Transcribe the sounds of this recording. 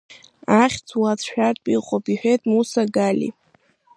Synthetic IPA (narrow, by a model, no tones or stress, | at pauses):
aχʲt͡sʰwat͡sʰʃᶣartʼpʼiqʷʼopiħʷᶣejtʼmusaɡalḭ